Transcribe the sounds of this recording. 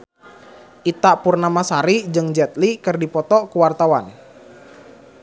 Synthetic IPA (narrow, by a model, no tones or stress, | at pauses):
ʔit̪aʔpurnamasaɾid͡ʒɨŋd͡ʒɛt̪̚likɨrdipɔt̪ɔkuwart̪awan